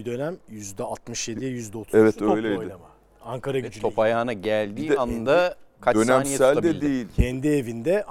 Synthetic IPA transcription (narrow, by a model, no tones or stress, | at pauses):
d̪ø̞næmjyzd̪ɛat̪mɯʃjed̪ivɛjyzd̪ɛot̪ʰɛvɛt̪øjlʲejd̪ɪa | aŋkaɾaɡyd͡ʒ̪ʰo̞pʰajaːnaɟælʲd̪iːanɯnd̪akʰat͡ʃdøæmːnjasælʲd̪ɛd̪iejilʲcʰɛnd̪ievind̪ɛ